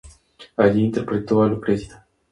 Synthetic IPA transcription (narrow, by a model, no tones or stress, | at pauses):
aliːnt̪eɾpɾet̪oalupɾezid̪a